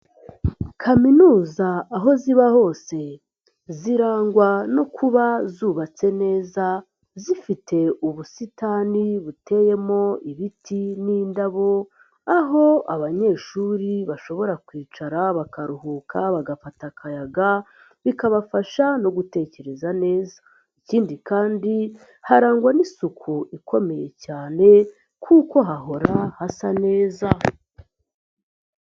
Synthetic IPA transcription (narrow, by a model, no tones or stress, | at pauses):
kʰaminuːzaːɦo̞ziβaho̞ːse̞ | ziɾaːŋɡwano̞kʰuβazuβat͡se̞ne̞ːza | zifitʰe̞uβusitaːniβute̞je̞mo̞iβitʰiniːndaβo̞ | aɦo̞a̰βaɲe̞ʃuːɾiβaʃo̞βo̞ɾakwiːt͡ʃaɾaβakaɾuhuːkʰaβaɡafatakʰajaɡa | βikaβafaʃano̞ɡute̞ːce̞ɾezane̞ːza | iciːndikaːndi | haɾaːŋɡwanisukʰuikʰo̞me̞je̞caːne̞ | kʰuːko̞ɦaɦo̞ɾahasane̞ːza